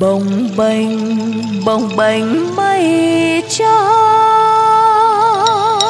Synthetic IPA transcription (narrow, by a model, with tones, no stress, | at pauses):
ɓə˨˩wŋ͡mɓə˨˧˩jŋ̟ | ɓə˨˩wŋ͡mɓə˨˩jŋ̟mə˧˦jt͡ɕɔ˧